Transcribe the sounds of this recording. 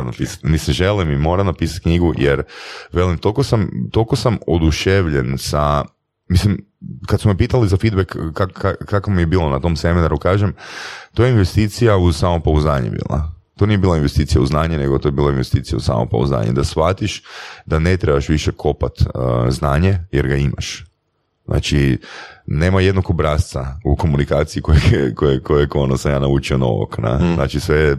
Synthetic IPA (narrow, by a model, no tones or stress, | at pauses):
omnapisḁt̪niseʒe̞limimo̞ɾamnapisḁt̪̚kɲiɡujʔḛɾʋe̞limt̪o̞lkosamt̪o̞lko̞samod̪uʃeʋʎensa | mislim | kat̪sumepiːt̪alizafid̪bekːakːakakomijebiːlˠo̞nat̪o̞mse̞minaɾukaːʒemt̪ojeinʋest̪iːt̪sijausamopauznaːɲḛbḭːlˠa̰ | t̪onije̞biːlˠainʋest̪it̪sijauznaːɲeneɡot̪o̞jeiːlˠainʋe̞st̪iːt̪ijausa̰mo̰pa̰ṵzna̰ːɲḛd̪asʋat̪iʃd̪ane̞t̪ɾebaʃʋiʃekʰo̞pat̪znaːɲejeɾɡaima̰ʃ | znʔa̰ːt͡ʃi | ne̞ːmajed̪nokobɾast̪sauko̞munikaːt̪siikojekojekojojkonosamjaːnaut͡ʃiono̰ʋo̰kna̰zna̰ːt͡ʃisʋe